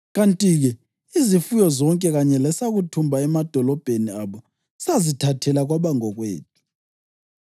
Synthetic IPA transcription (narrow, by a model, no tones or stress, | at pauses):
ɣantʼiɣɛ | izifujɔzɔŋkʼɛɣaɲɛlɛsaɣutʰumbʱaɛmad̥ʱɔlɔb̥ʱeniaβɔ | sazitʰatʰɛlaɣwaβaŋɔɣwḛːd̥̚ʼʱu̥